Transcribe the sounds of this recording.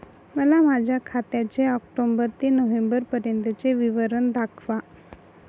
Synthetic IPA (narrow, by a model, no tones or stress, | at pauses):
məlamad͡ʑʱjakʰat̪jat͡ɕeɔkʈombəɾt̪enəʋembəɾpəɾjənt̪ət͡seʋiʋəɾəɳd̪akʰʋa